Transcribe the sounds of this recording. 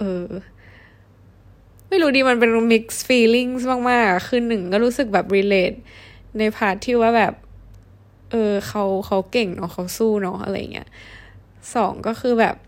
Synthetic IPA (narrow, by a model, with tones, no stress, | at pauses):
ʔɤː˧ | ma˥˩jɾuː˦˥diː˧ma˧npe˧nmi˦˥k̚sfiː˧li˥˩ŋsmaː˧˩ŋmaː˥˩k̚a˨˩kʰːɯː˥˩˨nːɯ˨˩ŋkɔː˥˩ɾuː˦˥sɯ˨˩k̚bɛː˨˩p̚ɾiː˧leː˦˥t̪̚na˧jpʰaː˦˥˩t̪ʰːiː˥˩waː˥˩bɛː˨˩p̚ | ʔɤː˧xʰa˦˥wxʰa˦˥wke˨˩ŋnɔ˦˥xʰa˦˥wsuː˥˩nɔ˦˥ʔa̰˧ɾa˧ja̰˨˩ŋːḭ˦˥ɐ˥ | sɔː˩˦ŋkɔː˥˩xʰɯː˧bɛ̰ː˨˩p̚